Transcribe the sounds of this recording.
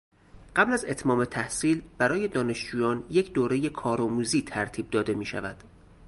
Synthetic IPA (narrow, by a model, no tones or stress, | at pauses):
ɢæblæze̞t̪ʰmɒːme̞t̪ʰæhsiːlb̥æɾɒːje̞d̪ɒːne̞ʃd͡ʒuːjɒːnje̞cʰd̪oːɾe̞je̞kʰɒːɾɒːmuːziːt̪ʰæɾt̪ʰiːb̚d̪ɒːd̪e̞miːʃæ̰væd̪̥